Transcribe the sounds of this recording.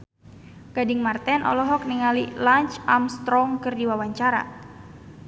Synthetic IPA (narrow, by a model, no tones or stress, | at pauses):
ɡ̥adɪŋmart̪ɛnʔɔ̰lɔɦɔk̚niŋalilaɲt͡ʃamst̪ɾɔŋkɨrdiwawaɲt͡ʃaɾa̰